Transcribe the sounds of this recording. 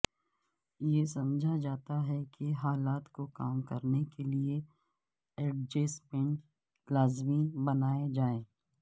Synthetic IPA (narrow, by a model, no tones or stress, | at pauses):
jesɐmd͡ʒʱad͡ʒaːt̪aɦɛkeɦaːlaːt̪kokaːmkɐɾnekelie | eːʈ̚d͡ʒeːspɪ̃ɳʈ | laːzmibɐnaːed͡ʒaːẽː